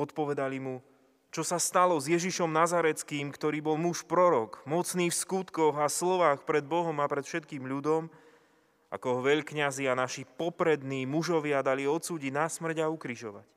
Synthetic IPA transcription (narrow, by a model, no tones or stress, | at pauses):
ɔt̪pɔʋɛd̪alimu | t͡ʃɔsast̪alɔzjɛʒiʃɔmnazaɾɛt͡skiːmkt̪ɔɾiːbɔlmuʃpɾɔɾɔkmɔt͡sniːfskut̪kɔɣaslɔʋaːxpɾɛd̪̚bɔɦɔmapɾɛt̪fʃɛt̪̚kiːmʎud̪ɔm | a̰kɔɦɔʋɛʎkɲazianaʃipɔpɾɛd̪niːmuʒɔʋɪad̪aliɔt̪t͡suːɟiɟnasmr̩ɟaukɾiʒɔʋa̰c